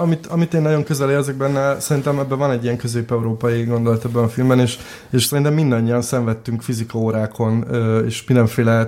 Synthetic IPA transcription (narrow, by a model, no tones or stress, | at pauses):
ɒmit̪ɒmit̪eːnːɒɟo̞ŋkøzɛleːrzəɡ̚bɛnːɛsɛɾint̪ɛmɛbːɛvɒnɛɟːijɛŋkøzeːpɛuɾoːpɒjiɡo̞nd̪o̞lɒt̪ɛbːɛnɒfilmbɛneːʃ | eːʃsɛɾint̪ɛmːind̪ɒɲːiɒnsɛɱvɛt̪ːyŋkfizikɒoːɾaːkʰo̞nːeːʃmind̪ɛɱfeːlɛ